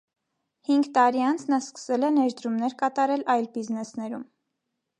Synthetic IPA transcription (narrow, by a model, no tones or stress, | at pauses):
hiŋɡt̪ɑɾiɑnt͡sʰnɑskə̥sɛlɛnɛɾd̪ɾumnɛɾkɑt̪ɑɾɛlɑjlbiznɛsnɛɾum